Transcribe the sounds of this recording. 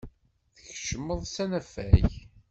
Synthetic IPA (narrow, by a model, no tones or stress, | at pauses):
θəçəʃəmːəðˤsænæfæ̰j